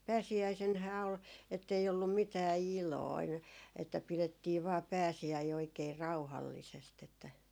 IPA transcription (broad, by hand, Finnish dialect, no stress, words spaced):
pæːsiæisenhæː ol etːei olːum mitæː iloin etːæ piletːiː ʋɑː pæːsiæi oikeː rɑuhɑlːisest etːæ